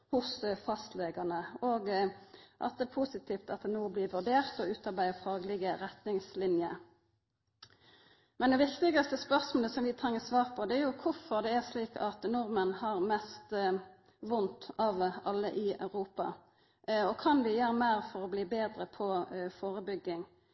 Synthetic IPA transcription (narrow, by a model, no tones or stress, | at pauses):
hʊsfɑst̪leːɡɑnəoɡ | ʔɑ̰t̪̚d̪ɛːpʰuːsɪt̪ʰiːft̪ɑt̪̚d̪ɛnuːbliːʋʉd̪eːʁt̪ɔʉːt̪ɑʁbæɪəfɾɑːɡlɪɡəɾɛt̪nɪŋslɪnjə̰ | mɛnd̪ɛʋɪkt̪ɪɡɑst̪əspœʁsmoːləsɔmʋɪt̪ʰɾɛŋːəsʋɑːʁpʰɔd̪ɛæʁjʊkʰʊfɔd̪ɛæʁsliːkʰɑt̪nʊʁmənhɑʁmɛst̪ | ʋʊnt̪ɑʋɑlːəʔɪɑ̰ʉʁuːpɑ̰ | ɔkʰɑnʋɪjøːʁmeːʁfɔʁɔbliːbeːd̪ʁəpʰɔfoːʁəbʏɡːɪŋ